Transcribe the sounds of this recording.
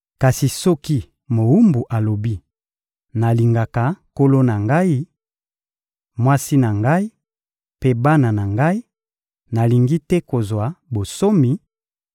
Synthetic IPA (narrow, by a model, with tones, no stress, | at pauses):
ka˨si˨sɔ˦ki˦ | mo˨wu˦mbu˨ʔa˨lo˨bi˦ | na˨li˨ŋɡa˨ka˨ko˦lo˦na˨ŋɡa˦i˦ | mwa˦si˦na˨ŋɡa˦i˦ | pe˦ba˦na˨na˨ŋɡa˦i˦ | na˨li˨ŋɡi˦tɛ˦ko˨zwa˨bo˨so˦mi˨